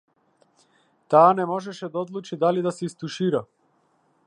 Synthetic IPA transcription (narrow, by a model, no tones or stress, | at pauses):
t̪aːnɛmɔʒɛʃɛd̪aɔd̪lˠut͡ʃid̪alid̪asɛist̪uʃiɾa